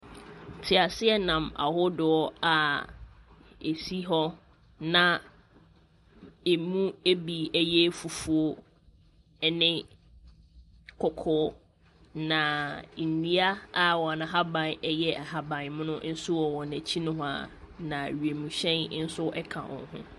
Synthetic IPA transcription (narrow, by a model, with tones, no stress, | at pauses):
tʰɪ˨a˨sɪ˦ɛ˦nã˨ma̰˨hʊ˦dʊ˨ɔ˦a˨ | e˨si˦ɦɔ˦ | nã˨ | e˨mũ˦e˦bi˨ɛ˦jɛ˦fu˨fu˨o˦ | nɪ̃˦ | kʰɔ˨kʰɔː˦ | nã˨nĩ˦a˦a˦wɔ˨a˨nã˨ɦa˦bã˨nɛ˦jɛ˦˨ɦa˨bã˨nmʊ̃˦nʊ̃˦n̩˦sʊ˦wɔ˨wɔ˨næ̃˨t͡ɕʰi˦nʊ̃˦ɦʊ̃˦a̰˨ | nã˨ɥɥe˨mũ˨ɕɛ̃˦n˦n̩˦sʊ˦ʔɛ˦kʰa̰˨wʔɔ̰̃˨n˦ɦʊ̰̃˦